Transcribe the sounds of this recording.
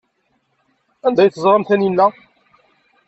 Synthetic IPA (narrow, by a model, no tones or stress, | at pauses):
ænd̪æjθəzˤɾˤəmθæninːæ